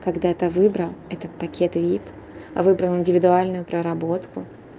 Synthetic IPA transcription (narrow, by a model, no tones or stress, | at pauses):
kɐɡd̪at̪əvɨbɾəlˠɛt̪ət̪̚pɐkʲʰe̞t̪vʲip | vɨbɾəlˠɪnʲdʲɪvʲɪd̪ʊalʲnʊjʊpɾəɾɐbo̞t̪kʊ